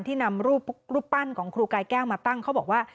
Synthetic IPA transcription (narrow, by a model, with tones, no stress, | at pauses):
nt̪ʰiː˥˩na˧mɾuː˥˩pɾuː˥˩pːa˥˩nkʰɔː˩˦ŋkʰɾuː˧kaː˧jkɛː˥˩wmaː˧t̪a˥˩ŋkʰa˦˥wbɔː˨˩k̚waː˥˩